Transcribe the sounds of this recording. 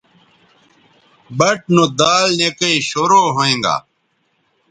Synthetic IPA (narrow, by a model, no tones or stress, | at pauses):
bɐʈ̚nõd̪aːlneːkɐiɕoːɾoːɦoẽːŋɡa̰ː